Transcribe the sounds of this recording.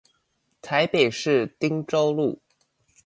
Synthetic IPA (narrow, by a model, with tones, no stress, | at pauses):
t̪ʰa˧˥ɪpe˨˩ɪʂɻ̩˥˩t̪i˥ŋʈ͡ʂo˥ʊlu˥˩